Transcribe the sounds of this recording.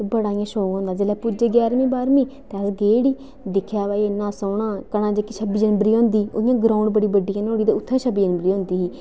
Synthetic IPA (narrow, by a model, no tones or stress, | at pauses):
bəɽaːĩjãːʃoːŋɡɦõnd̪aːd͡ʒeːlɛːpʊd͡ʒeːɡjɛːɾmĩːbaːɾmĩːt̪eəsɡeːɽiː | d̪ɪkʰjaːʋaːinãːsoːɳãːkəɽaːd͡ʒekːit͡ʃʰəbiːd͡ʒənbəɾiːɦõːnd̪iːo̰ːijãːɡɾãːʊɳɖbəɽiːbəɖiːãnoːɽiːd̪eːʊt̪ʰːẽt͡ʃʰəbiːd͡ʒənbəɾiːõːnd̪iːɦiː